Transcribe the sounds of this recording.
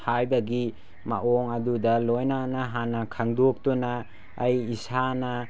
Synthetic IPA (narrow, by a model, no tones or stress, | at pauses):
hajbɐɡi | ma̰ʔɔŋɐdudɐlojnanaɦanɐkʰaŋdok̚tunaː | jisanɐ